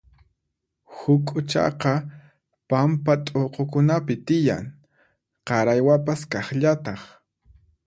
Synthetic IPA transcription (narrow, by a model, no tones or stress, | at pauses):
hʊkʼʊt͡ʃɑ̰qɑ | pampat̪ʼoqokʊnapɪt̪ɪja̰ŋ | qɑɾajwapaskɑχʎat̪ɑχ